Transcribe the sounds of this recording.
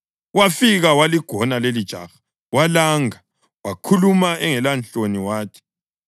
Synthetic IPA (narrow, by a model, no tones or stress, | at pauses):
wafiɣawaliɡ̥ʱɔnalelid̥ʒ̥ʱa̰ːxḁ | walaːŋa | wakʰulumaʔɛŋɛlant͡ɬoniwaːkʰɛ̥